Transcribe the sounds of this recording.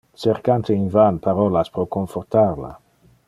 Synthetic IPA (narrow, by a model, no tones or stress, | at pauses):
seɾkant̪einvanpaɾolaspɾokoɱfort̪aɾla̰